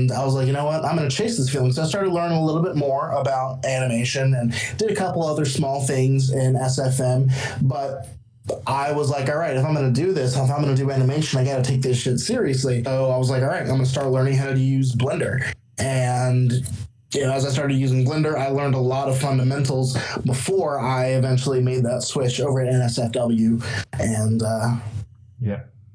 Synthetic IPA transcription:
naɪwʌzlaɪkjɨñoʊwʌtãɪ̃mɡʌñɨt͡ʃʰeɪsðɪsfilˠɪ̃ŋsoʊaɪstɑɹɾɨdˡlɜ̃˞nɪ̃ŋəlɪɾl̩ˠbɪt̚mɔɹəbaʊɾænɨmeɪʃɨ̃nɨ̃nd̥ɨɾɨkʰʌpl̩ˠʌvʌðə˞smɔlˠθɪ̃ŋzɪ̃nɛsɛfɛ̃mbʌɾ̚ | ʔaɪwʌzlaɪkɔlˠɹaɪɾɨfãɪ̃mɡʌnɨdɨðɪsaɪfãɪ̃mɡʌnədɨænɨmeɪʃɨ̃naɪɡɑɾɨtʰeɪk̚ðɪsʃɪtsɪɹiɨslioʊaɪwʌzlaɪkɔlˠɹaɪtãɪ̃mɡʌnəstɑɹtˡlɜ̃˞ñɪ̃ŋɦaʊɾɨjʉzblɪ̃ndə˞ | ʔɨ̃n | jɨnoʊəzaɪs̬tɑɹɾɨdjʉzɪ̃ŋblɪ̃ndə˞aɪlɜ̃˞ndəlɔɾʌv̥fʌ̃ndɨmɛ̃ntl̩ˠzbəfɔɹaɪɨvɛ̃nt͡ʃl̩ˠimeɪd̪̚ðətswɪt͡ʃoʊvə˞ɨɾɨ̃nɛsɛfd̥ʌbl̩ˠjʉɨ̃nʌ | jæ

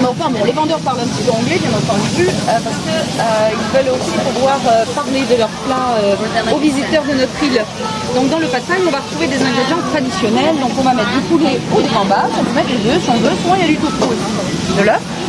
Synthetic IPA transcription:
mɛ̃fɛ̃bɔ̃levɑ̃d̪œʁpaʁlɛ̃pət̪ipøɑ̃ɡlɛkjɛ̃nɑ̃t̪ɑ̃d̪yplyøpaʁsə̥kəøilvœlosipuʁvwaʁøpaʁled̪əlœʁplɑ̃øovizit̪œʁd̪ənɔt̪χil | d̪ɔ̃k̚d̪ɑ̃ləpasɛ̃ɔ̃vaʁət̪χuved̪ezɛ̃ɡʁiʒjɑ̃t̪χad̪isjɔnɛld̪ɔ̃kɔ̃vamɛt̪χd̪epuleod̪evɑ̃basiɔ̃pømɛt̪lezøsiɔ̃vøsuʁmɑ̃iljad̪yt̪ut̪χuesi | d̪əlɔ

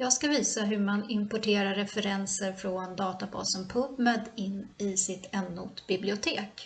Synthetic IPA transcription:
jɑːɡskaviːsaɦɵɾmanɪmpɔʈʰeːɾaɾɾɛfɛɾɛnsəɾfɾɔnd̪ɑːt̪abɑ̰ːsɔmpʰɵpmɛd̪ɪnːɪsɪt̪ɛnːʊt̪b̥ɪblɪʊt̪ʰeːk

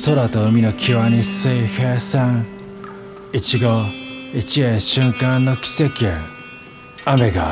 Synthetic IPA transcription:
soɾat̪oɯmʲinokʲʰiβanisehesã | it͡ɕiɡoit͡ɕiẽɕɨ̃ŋkãnːokʲi̥se̞kʲie | ame̞ɡa

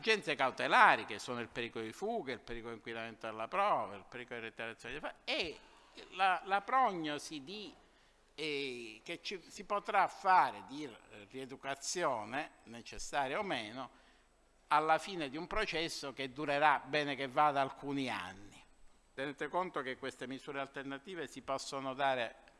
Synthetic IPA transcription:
ad͡ʒɛnt̪sekawt̪elaːɾikesːoːnoilpeɾiːkolod̪ifuːɡailpeɾiːkoliŋkwinament̪oelːapɾɔːvailpeɾikolod̪iɾet̪ːeɾat̪sjɔːnid̪ifae | lalapɾɔɲːosid̪i | ɛk̟et͡ʃːisipot̪ɾafːaːɾɪd̪iried̪ukat̪sːjɔːnenet͡ʃesːaːɾjaomeːno | alːafiːned̪iumpɾot͡ʃɛsːoked̪ːuɾeɾabɛːnekevːad̪aːlkuːnia̰nːi | t̪eneːt̪ekont̪okekːwest̪emizuːɾealt̪ernat̪iːvesipɔsːonod̪aːɾe

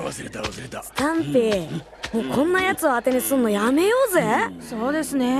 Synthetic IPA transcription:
sɨ̥t̪ãmp̪e | moːkʰõ̞nːajat͡sɨo̞at̪e̞nisɨ̃nːojame̞joːzesoːd̪e̞sɨne

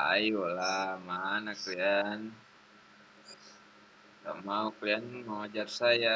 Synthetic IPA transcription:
a̰iwɔlamaanaklian | ka̰mauklianmaŋad͡ʒarsaja

